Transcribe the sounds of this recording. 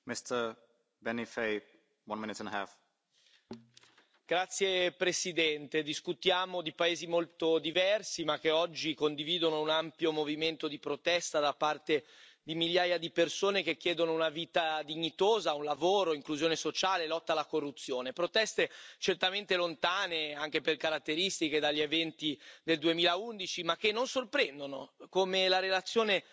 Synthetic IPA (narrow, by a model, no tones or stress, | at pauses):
mɪstə˞ | bɛnifeɪ | wʌ̃nmɪ̃nɪtɛ̃nəɦæ̰f | ɡ̥ɾat̪sːjepɾesid̪ɛnt̪ed̪iskut̪jaːmod̪ipaeːzimolt̪od̪ivɛrsimakːeɔd͡ʒːikond̪iviːd̪onounampjomoviment̪od̪ipɾot̪ɛst̪ad̪apːart̪ed̪imiʎjaːjad̪ipersoːnek̟ekːjɛːd̪onounaviːt̪ad̪iɲːit̪oːzaunlavoːɾoiŋkluzjoːnesot͡ʃaːlelɔt̪ːalːakorːut̪sːjoːnepɾot̪ɛst̪et͡ʃert̪ament̪elont̪aːneaŋk̟eperkaɾat̪ːeɾist̪iked̪aʎːievɛnt̪id̪eld̪uemiːlaund̪it͡ʃimakːenːonsorpɾɛnd̪ono̰komelaɾelat̪sːjoːne